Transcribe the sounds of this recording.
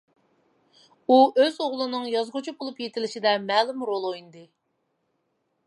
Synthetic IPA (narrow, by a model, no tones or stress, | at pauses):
uøzoʁlˠɨnɨŋjɑzʁʊt͡ʃʰubolˠupjet̪ʰɪlɪʃid̪ɛmɛːlymɾolˠojnɨd̪ɨ